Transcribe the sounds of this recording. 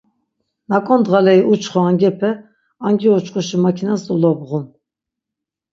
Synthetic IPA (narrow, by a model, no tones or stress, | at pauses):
nakʼɔnd̪ʁalɛiʔut͡ʃʰχɔaŋɡɛpʰɛ | aŋɡiɔt͡ʃʰχuʃimakʰinasulɔbʁum